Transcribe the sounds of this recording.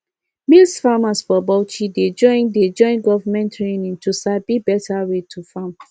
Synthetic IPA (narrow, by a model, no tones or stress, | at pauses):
milsfamasfɔbɔʊt͡ʃided͡ʒɔ̃ɪ̃nded͡ʒɔ̃ɪ̃nɡɔvamɛ̃ntʰɹenĩŋtusabibɛtʰaɹetʰufam